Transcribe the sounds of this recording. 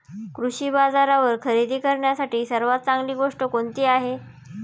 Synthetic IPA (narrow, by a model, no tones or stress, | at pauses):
kɾuɕiːbad͡zaɾaʋəɾkʰəɾid̪ʱiːkəɾɳjasaʈiːsəɾʋat̪̚t͡saŋɡliːɡoʂʈəkoɳt̪iːaɦe